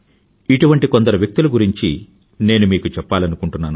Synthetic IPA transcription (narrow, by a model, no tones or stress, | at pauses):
iʈuʋɐɳʈikond̪ɐɾɐʋjɐk̚t̪uluɡuɾiɲt͡ʃi | ne̞ːnumiːkut͡ʃɛpːaːlɐnukuɳʈunːaːnu